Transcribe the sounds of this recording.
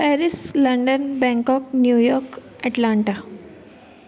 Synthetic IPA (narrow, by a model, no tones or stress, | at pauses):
pɛɾisləɳɖənbɛ̃ŋkɔknjujɔɾk | ɛʈlaɳʈa